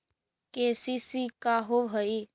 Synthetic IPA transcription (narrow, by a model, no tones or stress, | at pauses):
kesisikaɦobʱəi